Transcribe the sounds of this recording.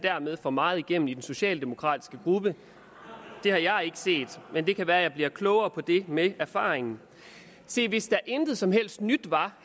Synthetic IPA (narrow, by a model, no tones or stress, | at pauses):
d̥æɐmeðˠfɒmɑ̈ːð̩ˠiɡ̥em̰n̩id̥enso̝ɕɛ̰ːld̥e̝mo̝kʰʁɑ̰̈ːd̥i̥sɡ̥əɡ̥ʁub̥ə | d̥e̝hɑ̈jɑ̈ɪe̝ɡ̥ə̥se̝̰ːd̥mend̥e̝kʰæʋæːɐjɑ̈ɪb̥liɐkʰlɔʊɐːpʰɒ̽d̥e̝meæɐfɑ̰̈ːʁeŋn̩ | se̝̰ːʋe̝sd̥ɑ̈ʔend̥ð̩ˠsɒ̽mɦel̰sd̥nyd̥ʋɑ̈